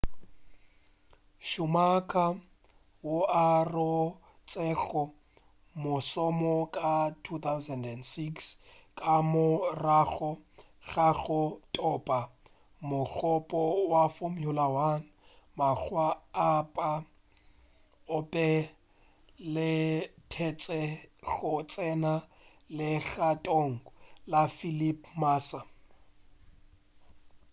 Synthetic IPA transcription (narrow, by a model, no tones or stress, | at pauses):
ʃʊmakʼa | wʊʔarʊ | t͡sʼɛɬɔ | mʊsɔmɔkʼatʰut̪ʰawzɛndɛndsikskʼamʊraɣɔ | ɣaɣɔtʼɔpʼa | mʊk͡xɔpʼɔwafʊmiʊlawan̩ | mak͡xwaːpʼa | ʊpʼɛ | lɪtʰɛt͡sʼɛɣʊt͡sʼɛna | lɪɣatʼoŋ̩lafilipʰʼmaːsa